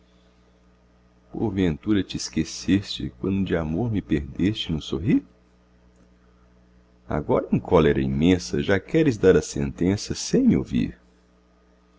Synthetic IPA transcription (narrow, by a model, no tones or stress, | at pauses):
po̰ɾvẽnt̪uɾɐt͡ʃɪːskesest͡ʃɪ̰kwɐ̃nd̪ʊd͡ʒɪamoɾmɪpeɾd̪est͡ʃɪnʊsoɦiɾ | a̰ɡɔɾɐẽkʰɔleɾɐ̰imẽsɐ̰ʒakɛɾɪzd̪aɾɐsḛ̃nt̪ẽsɐsẽj̃mɪo̰vḭɾ